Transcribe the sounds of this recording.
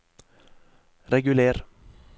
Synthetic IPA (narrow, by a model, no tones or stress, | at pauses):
ɾɛɡʉleːɾ